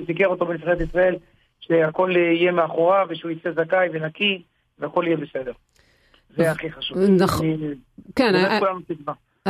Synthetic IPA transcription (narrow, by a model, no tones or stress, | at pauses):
sik̬eʁo̞t̪obemifaʁeet̪isʁae̞l | ʃeako̞lije̞meaχo̞ʁaveʃeujit͡sezakajvenaki | veako̞lijebesed̪e̞ʁ | zeaχiχaʃuvnaχ | kenkulanusiɡma